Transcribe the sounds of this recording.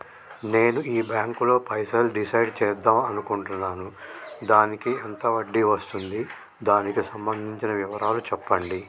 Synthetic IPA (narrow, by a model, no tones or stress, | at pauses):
ne̞ːnuiːbjaːŋkulo̞ːpɐjsɐlɖisɐjɖt͡ʃɛːɐd̪aːmɐnukuɳʈunːaːnud̪aːnikiɛnt̪ɐʋɐɖːiʋɐst̪und̪i | d̪aːnikisɐmbɐnd̪ʱiɲt͡ʃinɐʋiʋɐɾʔaːlut͡ʃɛpːɐɳɖi